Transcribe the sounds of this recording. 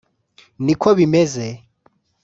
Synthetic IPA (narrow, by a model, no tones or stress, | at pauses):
nikʰɔβimɛzɛ